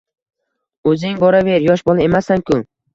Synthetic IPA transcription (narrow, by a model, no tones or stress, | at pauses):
ɵzɪŋbɒɾave̞ɾjɒʃbɒlˠae̞masaŋkʰʊ